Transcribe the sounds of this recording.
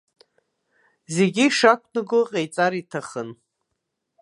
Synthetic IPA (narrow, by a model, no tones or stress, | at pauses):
zeɡʲiʂakʷʰnɨɡʊqʼejt͡sʼaɾitʰaχən